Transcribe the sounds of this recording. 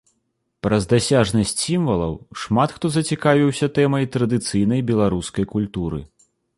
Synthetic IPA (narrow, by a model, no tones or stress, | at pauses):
pɾɐzd̪asʲaʐnɐsʲt͡sʲsʲimvɐlˠɐ̰wʂmat̪xt̪ɔzɐt͡sʲikavʲiwsʲɐt̪ɛmɐjt̪ɾɐd̪ɨt̪sɨjn̪ɐjbʲɛlˠaɾuskɐjkulʲt̪uɾɨ̰